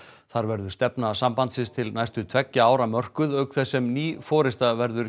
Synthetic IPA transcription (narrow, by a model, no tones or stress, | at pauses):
θaɾvɛɾðʏst̪ɛpnasampant̪sɪst̪ʰɪlnajst̪ʏt̪ʰv̥ɛcːaaːwɾamœr̥kʏðœkθɛsːɛmniːfɔːɾɪst̪avɛɾðʏɾ